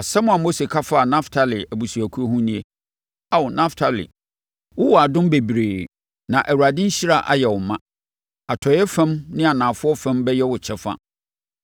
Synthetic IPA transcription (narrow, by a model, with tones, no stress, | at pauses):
a˨sɛ˦mʊ̃˨a˨mo˦se˨kʰa˦fa˦a˨nã˦ftʰa˨lɪ˨æ˨bu˨su˨æ˨kʰu˦o˦ɦũ˦nĩ˦e˦ | a˦˨wʊ˨nã˦ftʰa˨lɪ̰˨ | wʊ˦wɔ˨a˨dʊ̃˦m˦be˨bi˨ɾeː˨ | nã˨ʔæ˨wu˨ɾa˨dɪ̃˦n̩˦ɕi˦ɾa˦ʔa̰˦jɛ˨wʊ˨mã˦ | a˨tʰɔ˨˦ɛ˦fɛ̃˦mnɪ̃˦a˨nãː˨fʊ˦ɔ˦fɛ̃˦mbɛ˦jɛ˦wʊ˨t͡ɕʰɛ˦fa̰˦